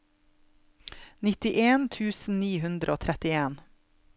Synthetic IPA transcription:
nɪt̪ɪʔeːnt̪ʰʉːsn̩niːhʉnd̪ɾəoːt̪ʰɾɛt̪ɪeːn

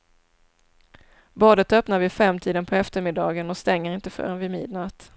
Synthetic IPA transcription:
bɑːd̪ət̪œpnaɾvɪfɛmːt̪ʰiːd̪ənpʰɔɛft̪əɾmɪd̪ɑːɡənɔst̪ɛŋːəɾɪnt̪əfœ̰ːɾɛnvɪmḭːd̪nat̪

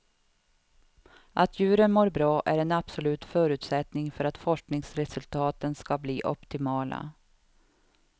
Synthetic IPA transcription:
ʔat̪ʰjʉ̟ːɾənmoːɾbɾɑːʔæɾɛnab̥sɔlʉ̟ːt̪fœːɾʉ̟ːt̪sɛt̪nɪŋfœɾat̪fɔʂknɪŋsɾɛsɵlt̪ʰɑːt̪ənskabliːʔɔ̰pt̪ɪmɑːla̰

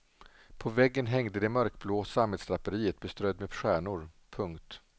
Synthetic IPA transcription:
pʰɔvɛɡːənɦɛŋd̪əd̪ɛmœɾkbloːsamhɛd̪st̪ɾapːəɾiːət̪̚bɛst̪ɾœjd̪mɛɧæːɳʊɾ | pʰɵŋkt̪

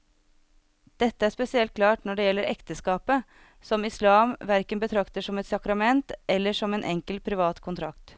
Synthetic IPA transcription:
d̪̥ɛt̪ːəæɾʂpɛsɪɛlt̪̚kʰlɑːʈnɔɖɛjɛlːəɾʔɛkt̪əskɑːpə | sɔmɪslɑːmʋæɾkənbət̪ʰɾɑkt̪əʂɔmɛt̪sɑkɾɑmɛnt̪ɛlːəʂɔmeːnʔɛŋkəlpʰɾɪʋɑːt̪kʰʊnt̪ʰɾɑkt̪

